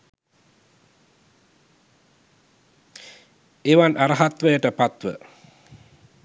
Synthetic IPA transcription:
eʋanʔaɾɐɦat̪ʋəjəʈəpat̪ʋə̰

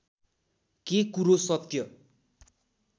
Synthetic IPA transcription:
kekuɾosʌt̪jʌ

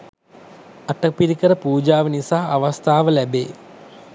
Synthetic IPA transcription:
aʈəpiɾikəɾəpuːd͡ʒaːʋənisaːaʋast̪aːʋəlæbeː

